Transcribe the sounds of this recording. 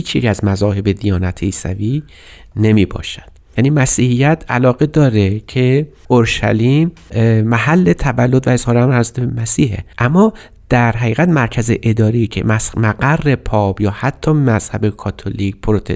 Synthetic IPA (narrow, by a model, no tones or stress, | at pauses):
hiːt͡ʃʰjḛcʲæzmæzɒːhe̞bed̪ijɒːnæt̪ʰeiːsæ̰viː | ne̞miːbɒ̰ːʃæd̪̥jæniːmæsiːhijæt̪ʰæ̰lɒːɣe̞d̪ɒːɾecʰe̞ | ʔoɾʃæ̰liːm | mæhælːe̞t̪ʰævælːod̪væe̞zhɒːɾæmɾæɾsut̪ebemæsiːhḛʔæmːɒː | d̪̥æɾɦæɣiːɣæt̪mæɾcʰæzeʔed̪ɒːɾiːcʰḛmæmæɡærːe̞pʰɒːb̥jɒːhæt̪ʰːɒːmæz̥hæbe̞kʰɒːt̪ʰoliːc̚pʰoɾot̪ʰe